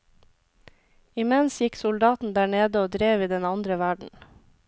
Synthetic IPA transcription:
ɪmɛnsjɪksʊld̪ɑːt̪n̩d̪æːɳeːd̪əoːd̪ɾeːʋiːd̪ɛnɑnd̪ɾəʋæɖɳ̩

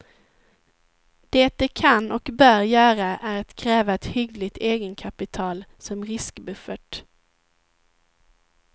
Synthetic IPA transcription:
d̪̥ɛːt̪̚d̪ɛkʰanːɔkbœːɾjœːɾaʔæɾat̪kʰɾɛːvaɛt̪hʏɡlɪt̪eːɡənkʰapɪt̪ʰɑːlsɔmɾɪskbɵfəʈ

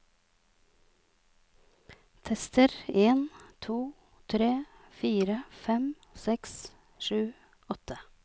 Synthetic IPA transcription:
t̪ʰɛst̪əɾeːnt̪ʰuː | t̪ʰɾeːfiːɾəfɛm | sɛks | ʃʉː | ɔt̪ə

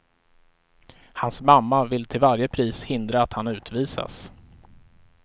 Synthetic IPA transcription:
hansmamːavɪlt̪ʰɪlvaɾjəpʰɾiːshɪnd̪ɾaːt̪hanʉ̟ːt̪viːsa̰s

